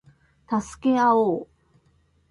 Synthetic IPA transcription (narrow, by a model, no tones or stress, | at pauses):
t̪asɨ̥ke̞aoː